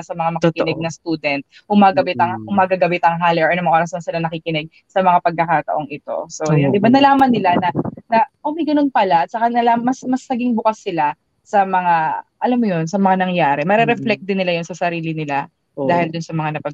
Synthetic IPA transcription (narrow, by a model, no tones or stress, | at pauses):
sɐmɐŋamɐkikɪnɛɡ̚nɐst̪uːd̪ɛnt̪̚ | hʊmaɡɐbɛt̪ɐŋhʊmaɡɐɡɐbɛt̪ɐŋɦaːlɛʔɛʔɐnʊmʔoːɾɐsd̪ɐŋsɪlanɐkikɪnɛɡ̚ | sɐmɐŋapɐɡ̚kːɐkaːt̪ɐ̰ʔo̞ŋɪt̪o̞̰sojad̪ɪbanɐlaːmɐnːɪlanɐnɐʔomɐjɡɐno̞npɐlaɐt̪̚sɐkanɐlamɐsmɐsnɐɡɪŋbʊkɐsːɪla | sɐmɐŋaʔɐlamːojonsɐmɐŋanɐŋjaːɾɛmɐɾɛɾɛflɛk̚d̪ɪnɪlajʊnsɐsɐɾiːlɪnɪla | aːhɪld̪ʊnsɐmɐŋanɐpɐ